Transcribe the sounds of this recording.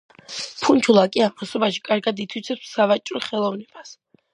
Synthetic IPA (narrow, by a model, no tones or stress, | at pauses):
pʰunt͡ʃʰulˠakʼiamʰɔsɔbaʃi̥kʼaɾɡad̪it̪ʰwit̪sʰɛpsːavat͡ʃʼɾɔχɛlˠɔvnɛb̥as